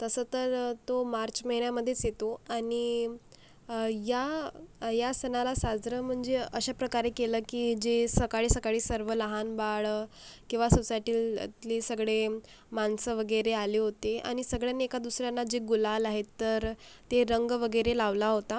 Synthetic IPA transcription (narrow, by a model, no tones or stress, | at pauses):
t̪əsət̪əɾt̪omaɾt͡ɕməɦinjaməd̪ʱːjet͡sjet̪oaɽ̃i | ja | jasənalasad͡zɾəm̤əɳd͡zeəɕapɾəkaɾekeləːkiːd͡ʑesəkaɭisəkaɭiːsəɾʋələɦanbaɭkĩw̃ʋasusajʈiːlt̪lisəɡɭe | mansəʋəɡəjɾealeɦot̪ea̰ɽ̃isəɡɭjanːekad̪usɾjanːad͡ʑeɡulalaɦet̪ːəɾt̪eɾəŋɡʋəɡəɾelaʋlaɦot̪a